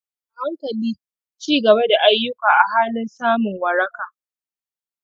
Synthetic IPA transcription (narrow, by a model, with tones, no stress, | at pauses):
ha˦ŋkɐ˨liː˦ | t͡ʃiː˦ɡɐ˨ba˦da˨ʔa˦jːʊ˦kaː˨ʔa˨haː˦lɪ˦nsaː˦mʊ˨ŋwɐ˨ɾɐ˦kaː˨